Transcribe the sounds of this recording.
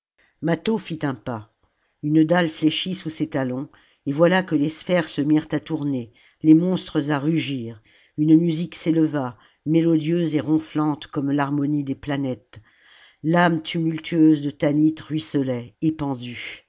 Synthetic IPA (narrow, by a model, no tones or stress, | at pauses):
mat̪ofit̪ɛ̃pa | ynd̪alfleʃisusɛt̪alɔ̃ | evwalakəlesfɛʁsəmiʁt̪at̪uʁne | lemɔ̃st̪χəzaʁyʒiːʁ | ynmyzikseləva | melɔd̪jøzeʁɔ̃flɑ̃t̪kɔmlaʁmɔnid̪eplanɛt̪ | lamt̪ʰymylt̪ʰyøzd̪ət̪anit̪ʁɥisɔlɛːpɑ̃d̪y